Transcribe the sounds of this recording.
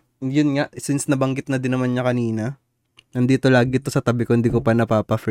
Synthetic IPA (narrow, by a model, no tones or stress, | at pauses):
jʊnŋaʔsɪnsnɐbɐŋɡɪt̪̚nɐd̪ɪnːɐmanɲɐkɐniːnɐ | nɐnd̪iːt̪o̞laːɡɪt̪o̞sɐt̪ɐbɪkoɪnd̪iːkopɐnɐpaːpɐf